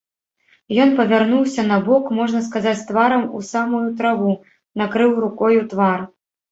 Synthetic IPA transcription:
jɔn̪pɐvʲarnuwsʲɐnɐbɔkmɔʐnɐskazat͡sʲt̪vaɾɐmusamujut̪ɾavu | nakɾɨwɾukɔjut̪var

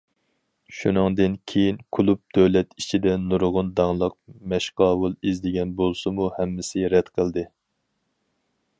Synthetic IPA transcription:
ʃunɨŋd̪ɨnkʲʰejinkʰulˠup̚d̪̥øwlɛt̪it͡ʃʰid̪ɛnuɾʁʊnd̪ɑŋlˠəq̚mɛʃqɑːwulˠizd̪ɪɡʲɛnbolˠsɨmuhɛmːɪsɪɾɛd̪qʰəlˠd̪ɨ

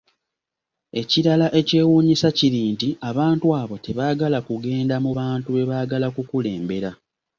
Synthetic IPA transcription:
e̞ciɾalaʔece̞ːwuːɲisaciɾiːntiaβaːntwaːβo̞te̞βaːɡalakuɡe̞ːndamuβaːntuβe̞βaːɡalakukule̞ːmbe̞ɾa

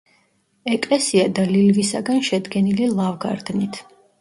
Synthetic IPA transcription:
ɛkʼlɛsiad̪alilvisa̰ɡanʃɛd̪ɡɛnililˠavɡa̰ɾd̪nit̪ʰ

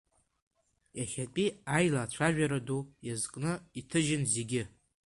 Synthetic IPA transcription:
jaχʲapʼiajlaːt͡ɕʷʰaʒᶣaɾadujazkʼnɨitʰɨʒɪnze̞ɡʲɪ

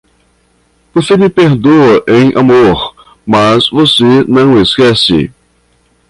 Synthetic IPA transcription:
vosemɪpeɾd̪oɐʔẽj̃ʔa̰moɾ | mazvosenɐ̃w̃eskɛsɪ̰

